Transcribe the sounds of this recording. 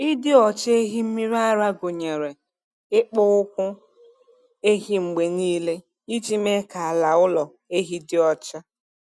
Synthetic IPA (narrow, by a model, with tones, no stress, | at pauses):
ɪ˦dɪ˦ɔ˨t͡ʃe˦ɦi˦m̩˦mi˦ɾa˦ɾa˦ɡo˨ɲe˨ɾe˨ | ɪ˦k͡pɔ˦ʊ˦kʷʊ˦ | e˦ɦi˦ŋ͡m̩˨ɡ͡be˨niː˦le˦ | i˦d͡ʒi˦me˦ka˨a˨la˨ʊ˦lɔ˨ | e˦ɦi˦dɪ˦ɔ˦t͡ʃa˦